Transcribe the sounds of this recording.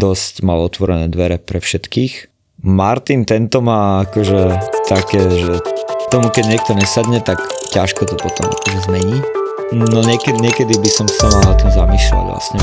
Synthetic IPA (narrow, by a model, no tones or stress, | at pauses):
d̪ɔscmalɔt̪ʋɔɾɛnɛːd̪ʋɛɾɛpɾɛfʃɛt̪kiːx | maɾt̪int̪ɛnt̪ɔmaːakɔʒɛt̪akɛːʒɛt̪ɔmukɛɟɲɪɛk̚t̪ɔɲɛsad̪ɲɛt̪akcaʃkɔt̪ɔpɔt̪ɔma̰kɔʒɛzmɛɲiː | nɔɲɪɛkɛɲɪɛkɛd̪ibisɔmsamalnat̪imzamiːsla̰ɟʋla̰sɲɛ